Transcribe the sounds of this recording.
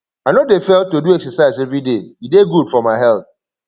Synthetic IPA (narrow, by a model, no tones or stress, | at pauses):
aɪnodefɛlˠtoduɛksəsaɪzɛvɹideideɡudfɔmaɪɦɛlˠθ